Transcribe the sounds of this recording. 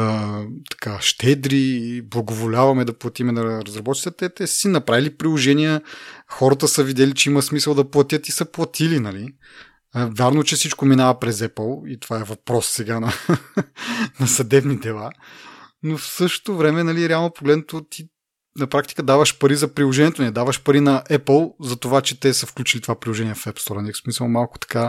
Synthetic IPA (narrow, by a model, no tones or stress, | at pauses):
t̪ɐ̥kaʃt̪ɛd̪ɾiblˠɐɡovolʲavɐmɛd̪ɐplˠɐt̪imɛnɐɾɐzɾɐbɔt̪t͡ʃi̥t̪ɛt̪ɛt̪ɛssinɐpɾavilipɾilˠoʒɛnijəxɔɾət̪əsəvid̪ʲɛlit͡ʃɛimɐsmisəlˠd̪ɐplˠɐt̪jət̪isɐplˠɐt̪ʰilinɐli | vʲjaɾnot͡ʃɛfsit͡ʃkominavɐpɾɛzɛpəlˠit̪ovaɛvɐpɾɔsːɛɡanɐ | nɐsɐd̪ɛbnid̪ɛlˠa | nofsɤʃt̪o̥t̪ovɾɛmɛnɐliɾɛalˠnopoɡlɛd̪not̪ot̪ʰi | nɐpɾak̚t̪i̥kəd̪avəʃpɐɾizɐpɾilˠoʒɛniɛt̪onɛd̪avəʃpɐɾinɐʔɛpəlˠzɐt̪ovat͡ʃɛt̪ɛsəfklʲut͡ʃilit̪ovapɾilˠoʒɛniɛfɛpst̪ɔɾɐniksmisəlˠmalˠko̥t̪ɐ̥ka